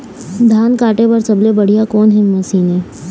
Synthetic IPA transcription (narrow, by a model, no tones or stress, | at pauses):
d̪ʱaːnkaːʈebɐɾsɐblebɐɽ̤ijakɔːnɦɛ̃mɐsiːne